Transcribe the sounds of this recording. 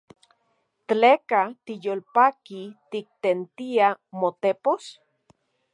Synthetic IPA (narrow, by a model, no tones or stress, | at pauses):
t̪lekat̪ijolpakit̪ik̚t̪ent̪iamot̪epos